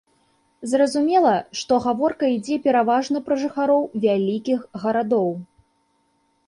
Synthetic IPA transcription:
zrɐzumʲɛlˠɐʂt̪ɔɣavɔrkɐid͡zʲɛpʲɛɾavaʐnɐpɾɐʐɨxaɾɔwvʲalʲikʲixɣɐɾad̪ɔw

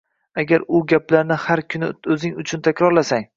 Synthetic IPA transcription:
aɡʲaɾʊɡʲaplaɾnɪhaɾkʲʰʊnɪɵzɪŋʊt͡ʃʰʊnt̪ʰakʲɾɒɾlasaŋ

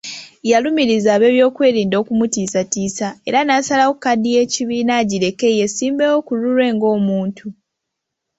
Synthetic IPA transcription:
jalumiɾizaːβe̞ːβjo̞ːkwe̞ːɾiːndo̞ːkumutiːsatiːsae̞ɾanaːsalawokkadije̞ːciβiːnaɟiɾe̞ke̞je̞siːmbewokuluɾwe̞ːŋɡo̞ːmuːntʰu

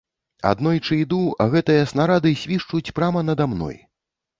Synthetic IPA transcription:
a̰d̪nɔjt͡ʂɨid̪uɐɣɛt̪ɨjɐsnaɾad̪ɨsʲvʲiʂt͡ʂut͡sʲpɾamɐnɐd̪amnɔ̰j

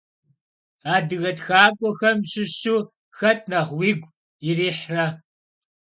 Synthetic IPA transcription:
aːdɨɣɐtxaːkʷʼɔxɐmɕɪɕuː | xɐtʰʼnɐʁwiːɡʷ | iriːħrɐ

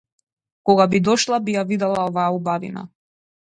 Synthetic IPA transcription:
kɔɡabid̪ɔʃlˠabijavid̪ɛlˠaɔvaːubavḭna̰

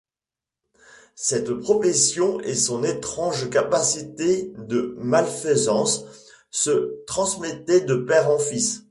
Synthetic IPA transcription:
sɛt̪pχɔfɛsjɔ̃esɔ̃net̪χɑ̃ʒkapasit̪ed̪əmalfəzɑ̃sː | ət̪χɑ̃smɛt̪ɛd̪əpɛʁɑ̃fis

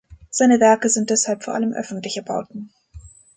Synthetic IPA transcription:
z̥aɪnəvɛɐkəzɪntd̥ɛshalpfoːɐʔa̰ləmʔœ̰fn̩tlɪçəɐba̰ʊtn̩

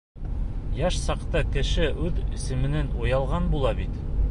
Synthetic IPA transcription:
jɑʃsɑqt̪ɤkɘ̆ʃɘʔʉðḭ̆sɘ̆mɘ̆nɘnujɑlˠʁɑnbulˠɑbit̪

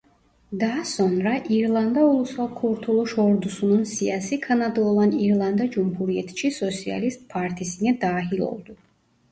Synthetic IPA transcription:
d̪aːsɔnɾaʔiɾlˠand̪aulˠusalˠkʰuɾt̪ʰulˠɔʃɔɾd̪usunɔnsiasikʰanad̪lɔlˠaniɾlˠand̪ad͡ʒumpʰuɾiɛt̪ʰʃʰisɔt̪sʰia̰list̪̚pʰaɾt̪ʰisiŋɛd̪aːɦilˠɔ̰lˠd̪u

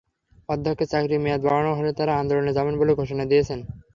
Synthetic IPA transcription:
pɔd̪ʱːokʰːet͡ɕakɾimead̪baɭanoɦolet̪aɾaand̪oloned͡ʑabenboleɡʱoʃonad̪iet͡ɕʰen

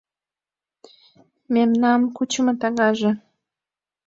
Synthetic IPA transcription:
memnɑmkut͡ɕəmɤ̆t̪ɑɣɑʒĕ

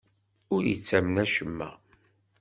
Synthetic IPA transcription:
ʊɾjə̰t͡sːæmnæʃəmːæ̰

